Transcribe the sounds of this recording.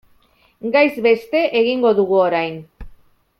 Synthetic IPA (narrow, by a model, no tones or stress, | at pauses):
ɡajzβe̞st̪e̞ʔeɣiŋɡoðuɣ̞uoɾajn